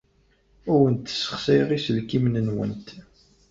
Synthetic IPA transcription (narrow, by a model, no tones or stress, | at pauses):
ʊɾənt̪ːsːə̥χsɪʁisəlkimnənwə̰nt̪